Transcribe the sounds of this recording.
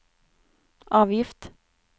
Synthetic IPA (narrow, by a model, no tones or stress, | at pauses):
ɑːʋjɪft̪